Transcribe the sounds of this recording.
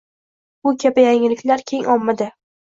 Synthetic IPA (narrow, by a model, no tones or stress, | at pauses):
bʊkʲʰabɪjaŋɪlɪkʲlaɾkʲʰe̞ŋɒmːad̪ɪ